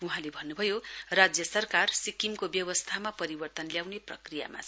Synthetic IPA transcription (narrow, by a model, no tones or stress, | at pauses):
uɦãlebʱʌnːubʱʌjorad͡zjʌsʌrkarsikimkobjʌwʌst̪ʰamapʌɾibʌrt̪ʌnljawneprʌ̰krija̰ma̰